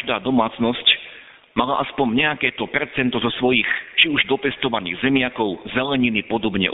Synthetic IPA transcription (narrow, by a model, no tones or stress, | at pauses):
ʒd̪aːd̪ɔmaːt͡snɔsc | malaʔaspɔɲɲɛakɛːt̪ɔpɛɾt͡sɛnt̪ɔzɔsʋɔjixt͡ʃiuʒd̪ɔpɛst̪ɔʋanḭːɣzɛmɪakɔʊzɛlɛɲinipɔd̪ɔbɲɛ̰ʔ